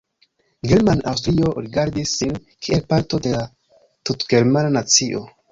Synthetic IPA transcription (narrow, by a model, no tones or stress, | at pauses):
ɡe̞ɾmanafɾio̞ɾiɡaɾdisːin | kʰielpaɾto̞de̞la | tutɡ̥e̞ɾmananat͡siʔo